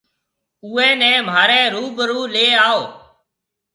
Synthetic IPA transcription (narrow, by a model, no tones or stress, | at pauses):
uːɛ̃ːnɛ̃ːmaːɾɛ̃ːɾuːbəɾuːleːaːoː